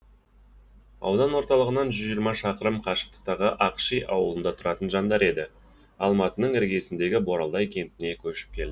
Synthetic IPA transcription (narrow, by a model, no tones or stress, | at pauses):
ɑ̰wd̪ɑnwo̞ɾt̪ɑlˠəʁənɑnʒʏzʒijəɾmɑʃɑqəɾəmqʰɑʃə̥q̚t̪ə̥q̚t̪ɑʁəʔɑqʃijʔɑwəlˠənd̪ɑt̪ʰʊɾɑt̪ənʒɑnd̪ɑɾe̞d̪ɪ | ɑlˠmɑt̪ənəɴɪɾɡʲe̞sɪnd̪e̞ɡʲɪboɾɑld̪ɑjkʲʰe̞nt̪ɪne̞kʲʰɵʃɪ̥p̚kʲʰe̞ld̪ɪ